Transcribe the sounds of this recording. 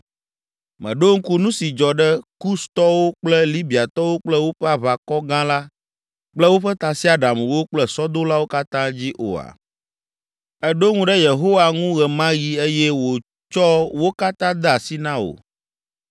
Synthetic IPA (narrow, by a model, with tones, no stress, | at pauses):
mɛ̰̃˨ɖo˦ŋ̩˦ku˦nũ˦si˨d͡ʒɔ˨ɖɛ˦ku˦st̪ɔ˦wo˦k͡plɛ˦li˦bi˨a˨t̪ɔ˦wo˦k͡plɛ˦wo˦ɸɛ˦a˦βa˨kɔ˦ɡã˦la˦ | k͡plɛ˦wo˦ɸɛ˦t̪a˨si˦a˨ɖa˨m˨wo˦k͡plɛ˦sɔ˦d̪o˦la˦wo˦ka˦t̪ã˦d͡ʑi˦ʔo̰˨a̰˨ | ɛ˦ɖo˦ŋũ˦ɖɛ˦je˨ɦo˦wa˨ŋũ˦ɣɛ˨mã˦ɣi˦e˦jɛ˦wo˨ | t͡ʃɔ˦wo˦ka˦t̪ã˦d̪ɛ˦a˨si˦nã˦o̰˨